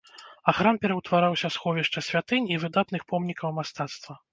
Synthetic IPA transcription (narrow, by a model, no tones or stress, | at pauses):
axɾampʲɛɾɐwt̪vaɾawsʲɐsxɔvʲiʂt͡ʂɐsʲvʲat̪ɨnʲivɨd̪at̪nɨxpɔmnʲikɐwmast̪at̪st̪vɐ